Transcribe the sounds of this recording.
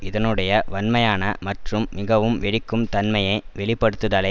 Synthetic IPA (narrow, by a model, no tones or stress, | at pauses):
ɪðɐnɯɽɐjɐʋɐnmɐjaːnɐmɐʈrɯmːɪɣɐʋɯmʋɛɽɪkːɯmt̪ɐnmɐjɐɪʋɛɭɪpːɐɽɯt̪ːɯðaːlɐɪ